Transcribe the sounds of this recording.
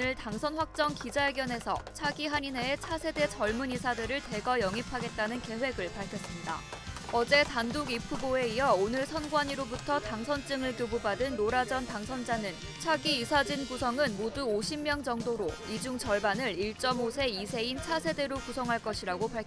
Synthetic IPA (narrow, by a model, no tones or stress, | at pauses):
ɯɭtaŋsʰʌnɸwak̚t͡ɕ͈ʌŋkid͡ʑaeɡjʌne̞sʰʌ̰t͡ɕʰaɡiɦaɲineːt͡ɕʰasʰe̞de̞t͡ɕʌɭmunisʰadɯɾɯɭte̞ɡʌjʌŋipʰaɡe̞t̚t͈anɯnke̞ɦwe̞ɡɯɭpaɭkʰjʌs͈ɯmɲida̰ʌd͡ʑe̞tandoɡipʰuboe̞ijʌonɯɭsʰʌnɡwaɲiɾobutʰʌtaŋsʰʌnt͡ɕ͈ɯŋɯɭkjobubadɯnɾoɾad͡ʑʌntaŋsʰʌnd͡ʑanɯn | t͡ɕʰaɡiisʰad͡ʑinkusʰʌŋɯnmoduoɕʰimːjʌŋd͡ʑʌŋdoɾoid͡ʑuŋt͡ɕʌɭbanɯɭiɭt͡ɕ͈ʌmosʰe̞isʰe̞int͡ɕʰasʰe̞de̞ɾokusʰʌŋɦaɭk͈ʌɕʰiɾaɡopaɭkʰ